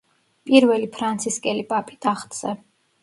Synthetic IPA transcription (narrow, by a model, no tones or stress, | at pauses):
pʼiɾvɛlipʰɾant̪sʰiskʼɛlipʼapʼid̪ʰaχt̪ʼzɛ